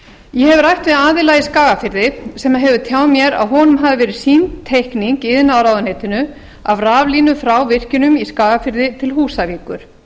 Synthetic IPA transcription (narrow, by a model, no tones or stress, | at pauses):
jɛɦɛvrajht̪vɪðaːðɪlaːjɪskaːɣafɪɾðɪsɛmaɦɛvʏt̪ʰjaːwðmjɛɾa̰ðɦɔnʏmɦaːvɪvɛːɾɪ̥sint̪ʰːejhkniŋkɪðɪnawɾawðanhejt̪ɪnʏ | avraːvliːnʏfɾawvɪr̥cɪnʏmiskaːɣafɪɾðɪt̪ʰɪlɦuːsaviːkʏɾ̥